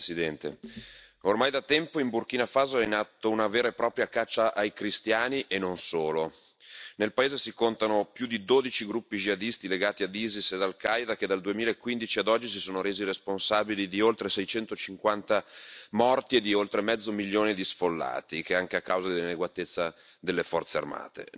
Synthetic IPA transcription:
sid̪ɛnt̪ḛ | ormajd̪at̪ɛmpoimburk̟iːnafaːzoɛnat̪ːounaveːɾaepɾɔːpɾjakat͡ʃːaʔajkɾist̪jaːniʔenːonsoːlo | nelpaeːzesikont̪anopjud̪id̪oːd̪it͡ʃiɡɾupːid͡ʒiad̪ist̪ileɡaːt̪iad̪iːzised̪alkajd̪aked̪ald̪uemiːlaekːwind̪it͡ʃiad̪ɔd͡ʒːisisoːnoɾeːziresponsaːbilid̪iolt̪ɾesɛjt͡ʃɛnt̪ot͡ʃiŋkwant̪amɔrt̪ied̪iolt̪ɾemɛd̪zːomiljoːnid̪isfolːa̰ːt̪ik̟eaŋk̟eakːawzad̪elːineɡwat̪et̪sːa | d̪elːefɔrt̪sea̰rma̰ːt̪ḛ

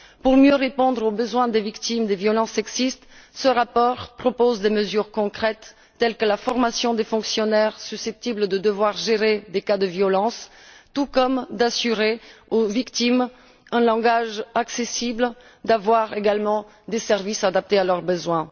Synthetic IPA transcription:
puʁmjøʁepɔ̃d̪ʁobəzwɛ̃d̪evikt̪imd̪evjɔlɑ̃sɛɡzist̪səʁapɔʁpχɔpozd̪eməzyʁkɔ̃kχɛt̪ː | ɛlkəlafɔʁmasjɔ̃d̪efɔ̃ksjɔnɛʁsysɛp̚t̪ibləd̪əd̪əvwaʁʒeʁed̪ekad̪əvjɔlɑ̃st̪ukɔmd̪asyʁeovikt̪im | ɛ̃lɑ̃ɡaʒaksesibl | d̪avwaʁeɡalmɑ̃ | d̪esɛʁvisad̪ap̚t̪ealœʁbəzwɛ̃

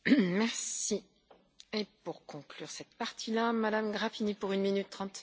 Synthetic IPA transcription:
mɛʁsi | epuʁkɔ̃klyʁsɛt̪paʁt̪ʰilamad̪amɡʁapinipuʁynminyt̪ːχɑ̃t̪

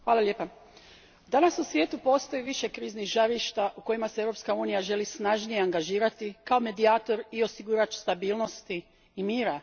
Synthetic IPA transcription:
xʋaːlalʲje̞ːpa | d̪anasusʋjeːt̪upo̞ːst̪o̞jiʋiʃe̞kɾiːzniɣʒaɾiʃt̪aʔuko̞jimasee̞ʋɾo̞pskauːnijaʒe̞lisnaʒnije̞aŋɡaʒiːɾat̪ikao̞me̞d̪iaːt̪o̞ɾio̞siɡuɾat͡ʃst̪abiːlˠno̞st̪iː | miːɾa

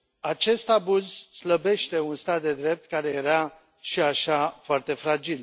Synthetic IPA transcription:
at͡ʃe̞st̪abuzsləbe̞ʃt̪e̞unst̪at̪̚d̪e̞d̪ɾe̞p̚t̪kaɾe̞jeɾa | ʃiaʃafoart̪e̞fɾad͡ʒil

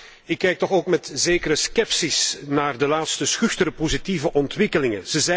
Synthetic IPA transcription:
ɪkːɛjk̚tɔxoːkmɛtzeːkəɾəskɛpsisnaːrdəlaːt̪stəsxʏxtəɾəpozitivəʔɔntʋɪkəlɪŋəz̥əzɛ

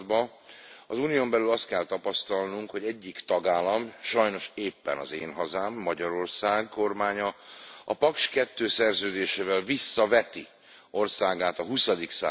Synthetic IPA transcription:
d̪bɒ | ɒzuːnijombɛlylɒst̪̚kɛlt̪ɒpɒst̪ɒlnuŋkho̞ɟɛɟːikt̪ɒɡaːlɒmʃɒjno̞ʃeːpːɛ̰nɒ̰zeːnɦɒzaːmːɒɟɒɾo̞rsaːɡko̞rmaːɲɒɒpɒkʃkɛt̪ːøːsɛrzøːd̪eːʃeːvɛlvisːɒvɛt̪i | o̞rsaːɡaːt̪ɒɦusɒd̪iksa̰ː

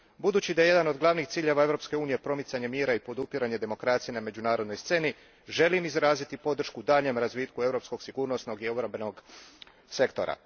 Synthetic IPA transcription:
bud̪uːt͡ɕid̪ajee̞d̪ano̞d̪ɡlˠaʋnixt̪siːʎe̞ʋae̞vɾo̞pske̞uːnije̞pɾo̞mit̪saɲe̞mjiːɾaipo̞d̪upiɾaɲe̞d̪e̞mo̞kɾat̪sije̞name̞d͡ʑunaːɾod̪no̞jst̪se̞ːni | ʒe̞limizɾaːzit̪ipo̞d̪r̩ʃkud̪aːʎe̞mɾazʋiːt̪kue̞vɾo̞psko̞ɡsiɡuːɾno̞sno̞ɡio̞bɾambeno̞ɡ | se̞kt̪o̞̰ɾa̰

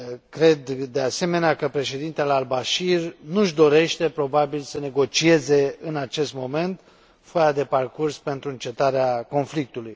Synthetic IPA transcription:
kɾe̞d̪ːe̞ase̞me̞neakəpɾe̞ʃe̞d̪int̪ealaːlbaʃirnuʒd̪o̞ɾe̞ʃt̪e̞pɾo̞babilsəne̞ɡo̞t͡ʃie̞ze̞ɨnat͡ʃe̞st̪mo̞me̞nt̪ | fajad̪e̞parkurspe̞nt̪ɾuɨnt͡ʃe̞t̪aɾeako̞nflik̚t̪uluj

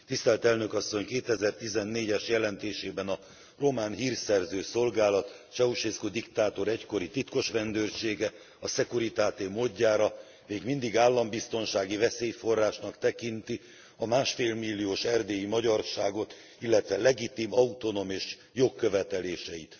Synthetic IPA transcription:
t̪ist̪ɛlt̪ɛlnø̞kɒsːo̞ɲkeːt̪ɛzɛrt̪izɛnːeːɟɛʃjɛlɛnt̪eːʃeːbɛnɒ | ro̞maːnɦiːrsɛrzøːso̞lɡaːlɒt̪t͡ʃɛuʃeskod̪ikt̪aːt̪o̞ɾɛcko̞ɾit̪it̪ko̞ʃʋɛnd̪øːrʃeːɡɛ | ɒsɛkuɾit̪aːt̪eːmoːɟːaːɾɒ | meːɡmind̪iɡaːlːɒmbist̪o̞nʃaːɡivɛseːjfo̞rːaːʃnɒkt̪ɛkint̪i | ɒmaːʃfeːlmilːijoːʃɛrd̪eːjimɒɟɒrʃaːɡo̞t̪ | ilːɛt̪ʋɛlɛɡit̪iːmɒut̪o̞no̞meːʃ | jo̞kːøvɛt̪ɛleːʃɛjḭt̪

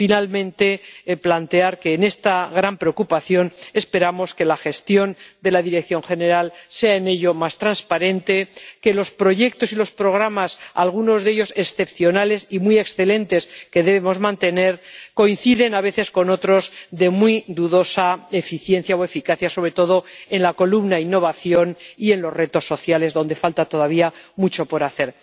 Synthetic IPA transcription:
finalmẽ̞nt̪e̞plant̪e̞aɾke̞ːne̞st̪aɣɾampɾeokupaθjo̞ne̞spe̞ɾamo̞ske̞laxe̞st̪jo̞nd̪e̞laðiɾek̚θjo̞ŋxe̞ne̞ɾalse̞aene̞ʎo̞mast̪ɾanspaɾẽ̞nt̪e̞ke̞lo̞spɾo̞ʝe̞k̚t̪o̞silo̞spɾo̞ɣ̞ɾamasa̰lɣ̞uno̞zðe̞ʎo̞se̞sθe̞pθjo̞nale̞simije̞ksθe̞lẽ̞nt̪e̞ske̞ðe̞βemo̞zmãnt̪e̞ne̞ɾko̞in̟θiðe̞naβ̞e̞θe̞sko̞no̞t̪ɾo̞zðe̞mwid̪uðo̞sae̞fiθje̞nθjaoe̞fikaθjaso̞β̞ɾe̞t̪o̞ðo̞e̞nlako̞lumnainːo̞βaθjonie̞nlo̞zre̞t̪o̞sːo̞θjale̞zðo̞nd̪e̞falt̪at̪o̞ðaβ̞iamut͡ʃo̞po̞ɾaθe̞ɾ

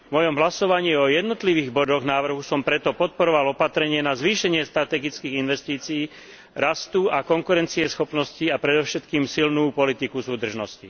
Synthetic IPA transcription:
vmɔjɔmɦlasɔʋaɲiːɔjɛd̪nɔt̪liʋiːɣbɔd̪ɔɣnaːʋr̩ɦusɔmpɾɛt̪ɔpɔt̪̚pɔɾɔʋalɔpat̪ɾɛɲɪɛnazʋiːʃɛɲɪɛst̪ɾat̪ɛɡit͡skiːɣinʋɛst̪iːt͡siiː | ɾast̪uakɔŋkuɾɛnt͡siɛsxɔpnɔsciapɾɛd̪ɔʊʃɛt̪kiːmsilnuːpɔlit̪ikusuːd̪r̩ʒnɔscḭ

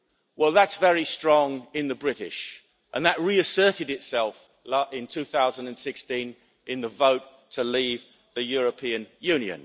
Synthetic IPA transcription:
wɛlˠðətsvɛɹistɹ̥ɔ̃ŋɪ̃nðəbɹɪɾɪ̰ʃ | ʔə̃nðəʔ̚ɹiɨsɜˑ˞ɾɨɾɨtsɛlˠf | lɪ̃ntʰʉθaʊzə̃ndə̃nsɪkstĩn | ʔɨ̃nðəvəʊtʰəliv | ðɨjɔɹəpʰĩɨ̃njʉ̃njɨ̰̃n

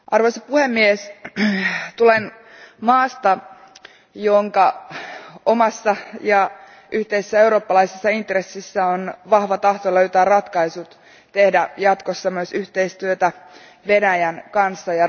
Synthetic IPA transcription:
ʔɑrʋojsɑpuhemːies | t̪ulen | mɑːst̪ɑ | joŋkɑ | o̞mɑsːɑjɑ | ʔyht̪eisesːæeuɾo̞ːpːɑlɑisesːɑint̪resːisːæonʋɑhʋɑt̪ɑht̪oløyt̪æːrɑt̪kɑisut̪ | t̪e̞hdæjɑt̪kosːɑmyøsyht̪e̞ist̪yøt̪æ | ʋe̞næjænkɑnsːɑjɑ

